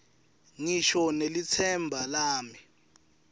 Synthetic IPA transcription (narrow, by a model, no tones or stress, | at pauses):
ŋiʃɔnelit͡sʰɛmbʱalaːmi